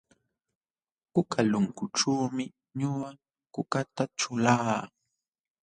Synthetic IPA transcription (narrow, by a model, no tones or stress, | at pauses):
kʊkalʊŋkʊʈ͡ʂuːmɪ | ɲʊa | kʊkat̪at͡ʃʊlaː